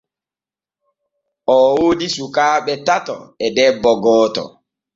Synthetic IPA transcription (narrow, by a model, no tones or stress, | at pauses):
ʔɔwodisukaːɓɛtatɔ̰ɛdɛbːɔɡɔːtɔ̰